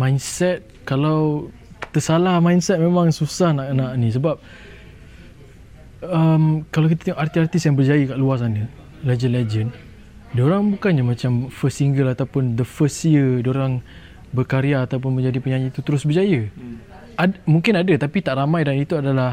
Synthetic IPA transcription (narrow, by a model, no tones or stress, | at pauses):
mãjnsɛt̪̚kalaw | t̪əsalahmajnsɛt̪̚memãŋsusahnaʔkənaʔnĩs̬əbap̚ | əmkalawkit̪at̪ɛŋɔkʔart̪iart̪isjaŋbərd͡ʒajəkaʔluas̬anə | led͡ʒənled͡ʒən | doɾaŋbukanɲamãt͡ʃamfəstːiŋɡəlat̪awpʊnd̪əfəstjədoɾaŋ | bərkaɾiaːt̪awp̬ʊnmə̃ɲd͡ʒadipəɲaɲət̪ut̪əɾʊsbəd͡ʒajə | amuŋkɪnadat̪apit̪aʔramajdanit̪uadalah